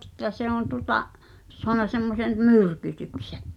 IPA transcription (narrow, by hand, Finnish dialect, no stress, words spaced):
ĕtːæ se on tuŏtɑʔ soɑnɑ semːosen myrkytykse̥